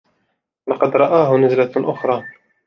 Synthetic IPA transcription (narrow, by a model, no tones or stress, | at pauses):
lɑqɑd̪ɾˤɑʔaːɦʊnɪzlaʔʊxɾˤɑː